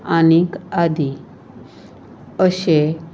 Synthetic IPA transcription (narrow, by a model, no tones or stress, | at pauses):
anikad̪i | əɕe